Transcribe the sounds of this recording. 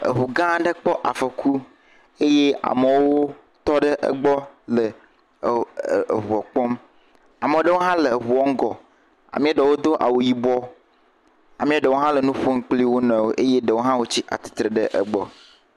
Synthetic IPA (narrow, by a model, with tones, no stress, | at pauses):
ə̰˨ɦu˨ɡã˦ɖə˦k͡pɔ˦ʔa̰˨fə˨kʰu˦ | e˦je˦a̰˨mə˨wo˦ | t̪ɔ˦ɖə˦ʔə̰˦ɡ͡bɔ˦lə˨ | ɦu˨ɔ˨k͡pɔ˦m | a˨mə˨o˦ɖə˦wo˦ɦã˦le˨ɦu˨ɔ˦ŋ̩˦ɡɔ˨ | a̰˨mĩ˦a˦ɖe˨wo˦d̪o˦ʔa̰˨wo˨ji˦bɔ˦ | a˨mĩ˦a˦ɖə˨wo˦ɦã˦lə˨nũ˦ɸo˦ŋ̩˦k͡pli˦wo˦nɔ̃˨wo˦ʔe˦je˦ɖə˨wo˦ɦã˦wo˦t͡ɕi˦ʔa̰˨t̪i̥˨t̪ɾə˨ɖə˦ʔə˦ɡ͡bɔ̰˦